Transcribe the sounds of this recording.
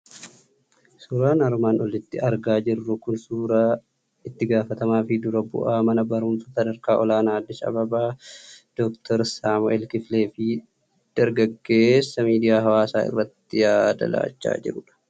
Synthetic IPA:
suːɾaːnɐɾmaːnɔlɪt̪ːɪɐɾɡaːd͡ʒɪrːʊkʊnsuːɾaː | ɪt̪ːɪɡaːfɐt̪ɐmaːfɪd̪ʊɾɐbʊ̰ʔaːmɐnɐbɐɾʊmsɐsɐd̪ɐɾkaːʔɔlaːnaːd̪ːɪsɐ̰bɐbaːd̪̥ɔkt̪ʰɔɾsaːmʊʔɛlkɪfleːfɪ | d̪̥ɐɾɡɐɡːe̞ːsːɐmiːd̪ɪjaːɦɐwaːsaːɪ̰rːɐt̪ːɪjaːd̪ɐ̰la̰ːt͡ʃːa̰ːd͡ʒɪ̰ɾʊᶑɐ̥

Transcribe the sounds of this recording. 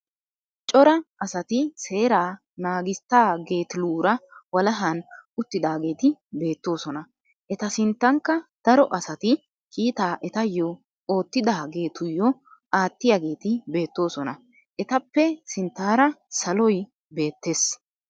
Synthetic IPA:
t͡ʃʼɔɾɐʔɐsɐt̪ɪse̞ːɾaː | naːɡɪst̪ːaːɡe̞ːt̪ɪluːɾɐwɐlɐɦɐnʊt̪ːɪd̪aːɡe̞ːt̪ɪbe̞ːt̪ːo̞ːsɔnɐ | ʔɛt̪ɐsɪnt̪ːɐŋkːɐd̪̥ɐɾɔʔɐsɐt̪ɪ | kiːt̪aːʔɛt̪ɐjːɔ | o̞ːt̪ːɪd̪aːɡe̞ːt̪ʊjːɔʔaːt̪ːɪjaɡe̞ːt̪ɪbe̞ːt̪ːo̞ːsɔnɐ | ʔɛt̪ɐpːɛsɪnt̪ːaːɾɐsɐlɔj | be̞ːt̪ːe̞ːs

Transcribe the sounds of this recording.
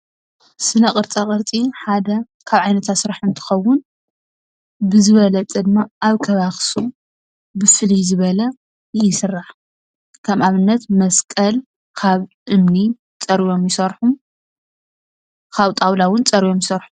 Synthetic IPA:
sɨnɐkʼɨɾt͡sʼakʼɨɾt͡sʼiħad̪ɐ | kʰaβʕajnɐt̪ʰat̪sɨɾaħɨnt̪ʰɨ̥xɐwːʊn | bɨzɨβɐlɐt͡sʼɐd̪ɨmːaʔaβkʰɐβaxsu | bɨfɨlizɨβɐlɐ | jɪsɨrːaħ | kʰɐmaβɨnːɐt̪mɐskʼɐl | kʰaβʔɨmni | t͡sʼɐɾjo̞mjɪsɐɾħum | kʰaβt̪ʼawlawʊnt͡sʼɐɾijomjɪsɐɾħum

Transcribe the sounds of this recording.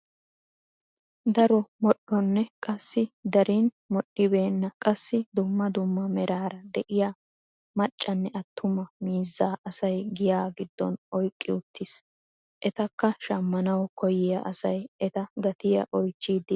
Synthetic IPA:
d̪ɐɾɔmɔɗɔnːɛkʼɐsːɪd̪ɐɾiːn | mɔɗɪbe̞ːnːɐkʼɐsːɪd̪ʊmːɐd̪ʊmːɐmɛɾaːɾɐd̪ɛʔɪja | mɐt͡ʃʼːɐnːɛʔɐt̪ʰːʊmɐmiːzːaːʔɐsɐjɡɪjaːɡɪd̪ːɔ̰nɔjkʼːɪʊt̪ʰːɪs | ʔɛt̪ɐkːɐʃɐmːɐnɐwkʰɔjɪjɐ̰ʔɐsɐjɛt̪ɐɡɐt̪ɪjɐ̰ʔɔjt͡ʃːiːd̪ɪ

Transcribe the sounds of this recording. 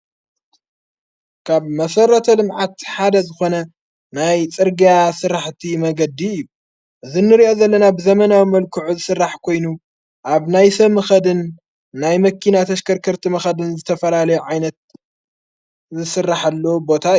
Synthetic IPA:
kʰaβmɐsɐrːɐt̪ʰɐlɨmʕat̪ħad̪ɐzɨxo̞nɐ | najt͡sʼɨɾɡijasɨɾaħt̪ʰimɐɡɐd̪iɨjːu | ʔɨzinːɨɾiʔo̞zɐlːɐnabɨzɐmɐnawimɐlkʰɨʕuzɨsɨrːaħkʰo̞jnu | ʔaβnajsɐβmɐxɐd̪ɨnː | ajmɐkʰːinat̪ʰɐʃkʰɐɾkʰɐɾt̪ʰimɐxɐd̪ɨnzɨt̪ʰɐfɐlalɐjuʕajnɐt̪̚ | zɨsɨrːaħalːobo̞t̪ʰa

